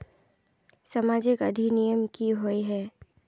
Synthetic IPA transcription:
sɐmaːd͡ʒɪkɐd̪ʱinijəmkiɦoiɦɛː

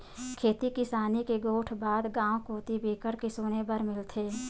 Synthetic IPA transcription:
kʰeːt̪ikɪsaːnikeɡoːʈʰbaːd̪ɡãːw̃koːt̪ibʱiːkəɽkesoːnebəɾmɪlt̪ʰeː

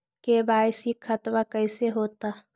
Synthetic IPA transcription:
kebaːɪsikʰxɐt̪wakɐɪseɦoːt̪aː

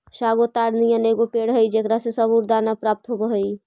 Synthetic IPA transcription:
ʃaɡot̪aɽnijəneɡopeɽɦəjd͡ʒekɾasesəbuɾd̪anapɾap̚t̪ɦobəɦəj

